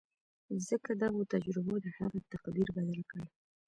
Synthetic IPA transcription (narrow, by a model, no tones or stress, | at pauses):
zəkad̪aɣot̪ad͡ʒɾɪbod̪əha̰ɣat̪aqd̪iɾbad̪alkəɽ